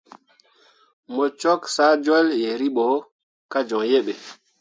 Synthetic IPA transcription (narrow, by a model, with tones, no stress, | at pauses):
mɔ˨t͡ʃɔ˦ksa˦d͡ʒɔ˦lje˨ɾi˦ɓɔ˨˦ | ka˦d͡ʒɔ˨ŋje˦ɓe˨